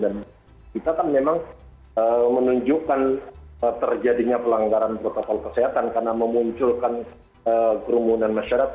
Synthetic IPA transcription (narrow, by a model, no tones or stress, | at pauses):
dan | kit̪akanmemaŋ | əmənuɲd͡ʒuʔkanət̪ərd͡ʒadiɲapəlaŋɡaɾanpɾot̪okɔlkəsiɦat̪ankarnaməmuɲt͡ʃʊlkan | əkəɾumuunanmaʃaɾaka